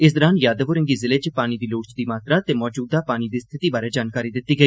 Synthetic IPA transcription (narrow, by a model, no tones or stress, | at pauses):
ɪs̬d̪əɾaːnjaːd̪əʋoɾɪ̃ŋɡiːzɪled͡ʒpaːnid̪iːloːʈt͡ʃd̪iːmaːt̪ɾat̪eːmɔːd͡ʒuːd̪aːpaːniːd̪iːst̪ʰɪt̪iːbaːɾeːd͡ʒaːnkaːɾiːd̪ɪt̪ːiːɡəiː